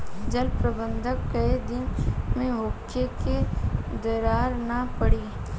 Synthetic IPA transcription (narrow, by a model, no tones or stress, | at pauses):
d͡ʒɐlpɾɐbə̃nd̪ʱəkkɐed̪ɪnmẽʋʊkʰːeked̪ɐɾaːɾnapɐɽiː